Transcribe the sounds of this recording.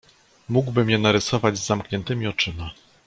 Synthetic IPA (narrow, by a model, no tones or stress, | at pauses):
muɡwbɘmjɛnaɾɘsɔvad͡ʑzːamkɲɛnt̪ɘmʲiɔt͡ʂɘma